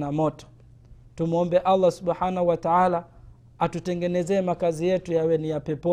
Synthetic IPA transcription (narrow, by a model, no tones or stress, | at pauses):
namɔtɔ̥ | tum̩ɔmbɛʔalˠˤːasuɓħanahuwataala | atutɛŋɡɛnɛzɛːmakazijɛtujawɛnijapɛpɔ